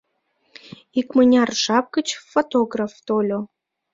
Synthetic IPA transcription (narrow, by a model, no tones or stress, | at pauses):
ikmənʲɑrʒɑp̚kət͡ɕfot̪oɡraft̪olʲo